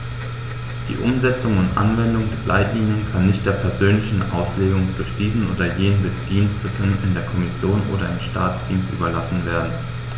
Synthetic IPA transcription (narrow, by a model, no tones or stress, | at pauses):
d̥ḭːʔʊmzɛt͡sʊŋʊntʔa̰nvɛndʊŋdeːɐblʔa̰ɪtliːnjənkʰanːɪçt̚d̥eːɐpʰɛɐzøːnlɪçn̩ʔa̰ʊsleːɡʊŋdʊɐçd̥iːzn̩ʔo̰ːdɐjeːnənmɪtd̥iːnstətʰənɪ̰ndeːɐkʰɔmɪsjoːnʔo̰ːɾɐɪmʃtaːt͡sd̥iːnstʔy̰ːbɐlasn̩veːɐdn̩